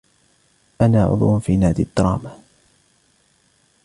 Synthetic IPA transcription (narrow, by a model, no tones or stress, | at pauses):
ʔanaːʕʊ̰d̪ˤwnfiːnaːd̪ɪt̪ːɾˤɑ̰ːma